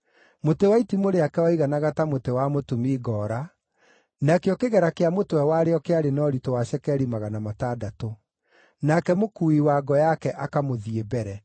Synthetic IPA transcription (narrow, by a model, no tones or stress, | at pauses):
motewaitimoɾeakɛwaiɣanaɣatamotewamotumiːɡɔːɾa | nakeɔkeɣɛɾakeamotowɛwaɾeɔkeaɾenɔɾitowaɕɛkɛɾimaɣanamatadato | nakɛmokuiwaɡɔjakɛʔakamoðiebɛɾɛ